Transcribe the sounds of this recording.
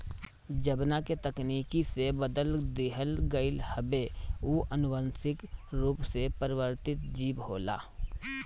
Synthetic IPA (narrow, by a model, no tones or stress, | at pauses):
d͡ʒəbnaket̪əkniːkisebəd̪əld̪ɪɦəlɡəɪlhəbeuːʔənʊbənsɪkɾuːpsepəɾɪʋəɾt̪ɪt̪d͡ʒiːbɦoːla̰ː